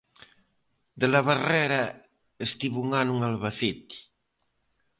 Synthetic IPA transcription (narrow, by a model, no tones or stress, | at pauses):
d̪elaβarɛɾa | est̪iβuŋanuŋalβaθit̪i̥